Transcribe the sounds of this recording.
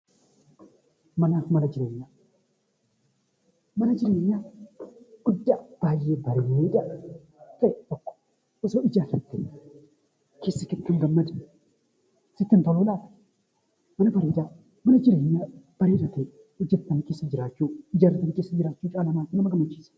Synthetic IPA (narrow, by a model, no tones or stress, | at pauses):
mɐnaːfmɐnɐd͡ʒɪɾeːɲːaː | mɐnɐd͡ʒɪɾeːɲːa | ɡ̥ʊd̪ːaːb̥aːjːeːbɐɾeeːᶑɐ | t̪ɐʔɛt̪ɔkːɔ̥ | ʔɪsoːɪd͡ʒaːrɐt̪ːe | keːsːɐkɛt̪ːɐŋɡɐmːɐd̪ | sɪt̪ːɪnt̪ɔlolaː | mɐnɐbɐɾeːᶑa | mɐnɐd͡ʒɪɾeːɲːab̥ɐɾeːᶑɐt̪e | ʊd͡ʒːɛt̪ːɐnkeːsːɐd͡ʒɪɾaːt͡ʃːuːɪd͡ʒaːɾɐt̪ːɐnɪkeːsːɐd͡ʒɪɾaːt͡ʃːuːt͡ʃʼaːlɐmaːkɪnɐmɐɡɐmɐt͡ʃːi̥ːs